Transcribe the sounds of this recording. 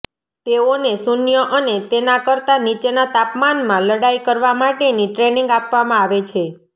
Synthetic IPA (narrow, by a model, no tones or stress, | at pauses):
t̪eonesunjəʔənet̪enakəɾt̪anit͡ʃenat̪apmanmãləɽajkəɾʋamaʈeniʈɾeniŋɡapʋamãaʋet͡ʃʰe